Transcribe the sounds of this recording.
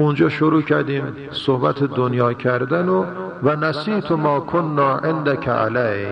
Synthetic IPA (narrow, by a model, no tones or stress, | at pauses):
und͡ʒɒːʃoɾuːcʰæɾd̪iːm | sohbæt̪ʰed̪onjɒːcʰæɾd̪æno | vænæsiːt̪ʰomɒːkʰonːɒːʔend̪ækʰæ̰ʔa̰læ